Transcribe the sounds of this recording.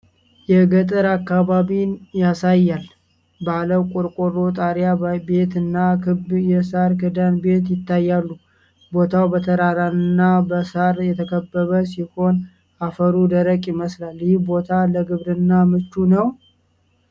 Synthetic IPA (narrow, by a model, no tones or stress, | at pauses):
jɛɡət̪ʼɨɾakːaβaβinjasajːal | baləwkʷʼʊɾkʼoɾot̪ʼaɾjabe̞t̪ɨnːakʰɨbjɛsaɾkɨd̪anbe̞t̪jɪt̪ːajːalːu | bo̞t̪ʰawbət̪ʰəɾaɾanɨnːabəsaɾjɛt̪ʰəkʰəbːəβəsiho̞n | afəɾud̪əɾəkʼɪməslaljɪhbo̞t̪ʰaləɡɨβɾɨnːamɨt͡ʃːunəw